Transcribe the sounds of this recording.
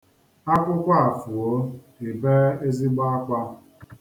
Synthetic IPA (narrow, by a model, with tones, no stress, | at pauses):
a˦kʷʊ˦kʷa˦a˨fu˨o˦ | e˨be˦e˦zi˦ɡ͡ba˦a˦k͡pa˦